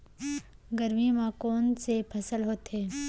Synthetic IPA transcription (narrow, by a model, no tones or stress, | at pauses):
ɡəɾmimãkoːnsepʰɐsəlɦoːt̪ɦeː